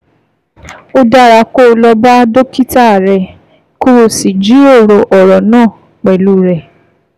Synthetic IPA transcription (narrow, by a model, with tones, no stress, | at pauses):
o˦da˦ɾa˧ko˦˨˧lɔ˧ba˦do˦ki˦ta˦˨ɾɛ˧ | ku˦ɾo˧˨si˨d͡ʒi˨˦o˦˨ɾo˧˨ʔɔ˨ɾɔ˨nãː˦˨ | k͡pɛ˨lu˦ɾɛ˨